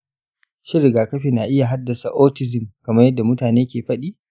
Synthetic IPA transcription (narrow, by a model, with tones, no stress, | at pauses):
ʃɪ˦ɾɪ˨ɡaː˨kɐ˦ɸiː˨na˨ʔɪ˦ja˨ɦa˦dːɐ˨sa˨ʔoː˦tɪ˦zɪ˨mkɐ˨mɐ˦rjɐ˦dːa˨mʊ˦taː˨neː˦kʲeː˨ɸɐ˦ɗiː˦